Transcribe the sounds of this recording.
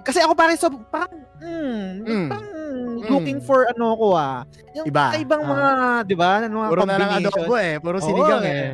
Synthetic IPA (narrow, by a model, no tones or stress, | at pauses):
kɐsɛʔɐkopaːɾɐŋsobɾɐŋpaːɾɐŋ̩ | aɾɐŋlukɪŋfoɹɐnoɐko̞a | jʊŋɪbaɐʔɪbaŋmɐŋad̪ɪbaɐnmaɾoɐɐŋɐooboɛpoɾosɪnɡaŋɛ